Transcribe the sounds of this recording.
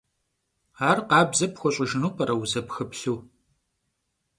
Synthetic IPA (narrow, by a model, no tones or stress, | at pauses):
aːrqɑːbzɐpxʷɔɕʼɪʒɪnuːpʰʼɐɾɐwzɐpxɐpɬuw